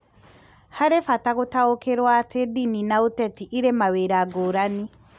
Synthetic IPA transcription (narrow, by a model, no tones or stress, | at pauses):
haɾefataɣotaokeɾwatʰedininaotɛtiʔiɾemaweɾaɡoɾani